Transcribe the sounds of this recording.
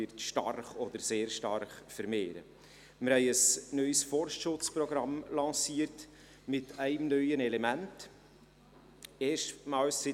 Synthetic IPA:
ɪɾtʃtɑ̰rχɔd̪əɾseːɾʃtɑrχfəɾmeːɾə̰ | mɪɾhɛɪəsnœʏsfɔɾʃtʃʊt͡spɾɔɡɾɑmlɑ̃ːsiːəɾt | mɪtæɪmnœʏənɛlɛmænt | eːʃtmɑːlsːɪ

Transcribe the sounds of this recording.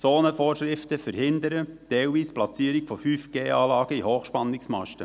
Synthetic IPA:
t͡soːnəfoːɾʃɾɪft̪əfəɾhɪnd̪əɾəd̥ɛlʋiːsplɑt͡siːəɾɪkfofyːfɡ̥eːɑːlɑːɡ̥əihoːxʃpɑnːɪksmɑ̰ʃtə̰

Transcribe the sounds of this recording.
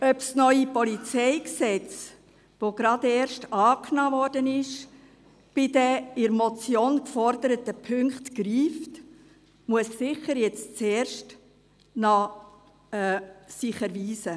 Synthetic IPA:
œpsnœʏipɔlit͡sɛɪksɛt͡s | ʋoɡ̥ɾɑd̪eːɾʃtɑːknɑːvɔɾdənɪʃ | b̥ɪd̥ɛɪɾmɔt͡sjoːnkfɔɾdəɾətəpʰʏŋkχtkɾiːft | muəssɪχəɾjɛt͡st͡sɛːɾʃt | nɑ | siχəɾviːzə

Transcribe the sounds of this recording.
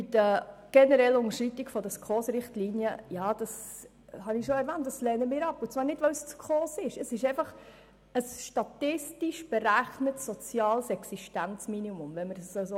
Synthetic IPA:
ɪtəɡ̥ɛnəɾɛlːəʊnəɾʃit̪iɡfɔdəskχoːsɾɪχtliːnjəjɑːd̥ɑs | hɑnɪʃoɛɾvæːnt̚d̥ɑslɛːnəmɪːɾɑpʊt͡svɑːɾnɪdʋəwst͡skʰχoːsɪʃəsɪʃɛɪfɑχ | əsʃtɑtɪstiʃb̥ɛɾæχnətsːɔt͡sjɑːlsɛksiʃtænt͡sminimʊmvɛnməɾsəso

